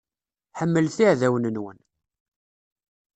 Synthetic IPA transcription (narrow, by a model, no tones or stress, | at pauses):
ħəmːəlθiʕðæwənənwə̰n